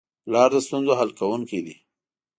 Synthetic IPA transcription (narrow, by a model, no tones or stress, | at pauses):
lɑɾd̪əst̪unzoɦalkawuŋkid̪i